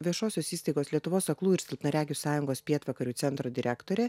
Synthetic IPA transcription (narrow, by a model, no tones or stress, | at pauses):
ʋʲiɛʃoːsʲoːsiːst̪ɐɪɡoːslʲiɛt̪ʊʋoːsɐklˠuːɪɾsʲɪlˠpnɐɾʲæːɡʲuːsɑːjʊŋɡoːspʲiɛt̪ʋɐkɐɾʲuːt̪sʲɛnt̪ɾoːd̪ʲɪɾʲækt̪oːɾʲɛ